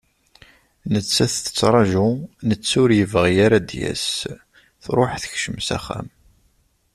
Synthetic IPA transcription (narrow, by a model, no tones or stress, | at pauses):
nət͡sːæθθə̥t͡sːɾˤɑʒʊnət͡sːʊɾjəvʁjaɾad̪jæ̰s | θɾˤoħθə̥çʃəmsæ̰χæ̰m